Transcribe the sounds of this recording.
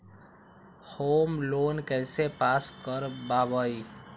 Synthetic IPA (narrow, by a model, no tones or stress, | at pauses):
hoːmloːnkɛːsepaːskəɾbaːbaːi